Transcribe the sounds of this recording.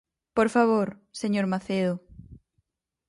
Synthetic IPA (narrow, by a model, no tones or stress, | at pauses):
poɾfaβ̞oɾseɲoɾmaθeðo